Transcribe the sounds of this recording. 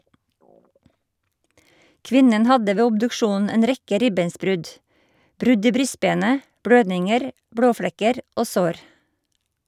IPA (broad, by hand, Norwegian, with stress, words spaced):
ˈkʋɪnən ˈhɑdə ˈʋeː ʊbdʉkˈʃuːnn̩ ˈeːn ˈɾɛkə ˈɾɪbeːnsˌbɾʉd ˈbɾʉd ˈiː ˈbɾʏˌsbeːnə ˈbɽøːdnɪŋəɾ ˈbɽoːˌfɽɛkəɾ ˈoː ˈsoːɾ